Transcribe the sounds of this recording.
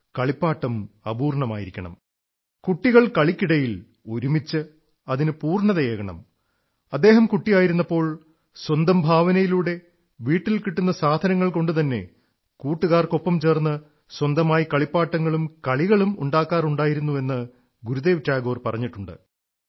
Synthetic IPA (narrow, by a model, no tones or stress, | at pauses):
kɐɭipːaːʈːɐmɐbuːrɳɐma̰ːjiɾikʲːɐɳɐ̰m | kuʈːiɣɐɭkɐɭikʲːiɽɐjil | o̞ɾumit͡ɕːɨ | ɐðinɨpuːrɳɐðɐjeːɣɐɳɐ̰m | ɐd̪ːe̞ːɦɐmkuʈːijaːjiɾunːɐpːo̞ːɭ | swɐnd̪ɐmbʱaːʋɐnɐjiluːɽe̞ | ʋiːʈːilkiʈːunːɐsaːd̪ʱɐnɐŋːɐɭko̞ɳɖɨt̪̬ɐnːe̞̰ | kuːʈːuɣaːrkopːɐmt͡ɕe̞ːrnːɨ | swɐnd̪ɐmaːjikɐɭipːaːʈːɐŋːɐɭumkɐɭiɣɐɭumṵɳɖaːkːaːruɳɖaːjiɾunːue̞nːɨ | ɡuɾud̪e̞ːʋtːaːɡo̞ːrpɐrɐɲːiʈːuɳɖɨ̰